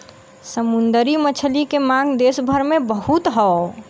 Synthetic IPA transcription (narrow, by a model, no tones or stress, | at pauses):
səmund̪əɾimət͡ʃʰəlikemãɡd̪esbʱəɾmẽbəɦut̪ɦɔo